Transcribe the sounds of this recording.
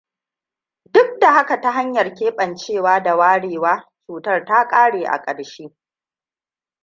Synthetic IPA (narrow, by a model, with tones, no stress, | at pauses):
dʊ˦k̚da˨ha˦ka˨ta˦ɦa˦ɲjɐ˨rkʲeː˦ɓʼɐ˨nt͡ʃeː˦˨waː˦da˨waː˦ɽeː˨waː˦t͡ʃuː˨tɐ˦rta˦kʼaː˦ɽeː˨ʔa̰˨kʼɐ˨ɽʃeː˦